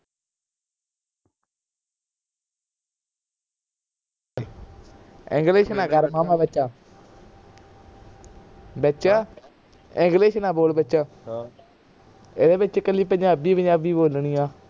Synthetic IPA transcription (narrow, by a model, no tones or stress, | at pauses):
ɪ̰̃ŋɡleːʃnãːɡəɾmaːmãːbətːt͡ʃaː | bətːt͡ʃaː | ɪ̃ŋɡleːʃnãːboːlbəːʃãː | ɪd̪eːbɪt͡ʃkəliːpəɲd͡ʒãːbiːpəɲd͡ʒãːbiːboːlɳiːãː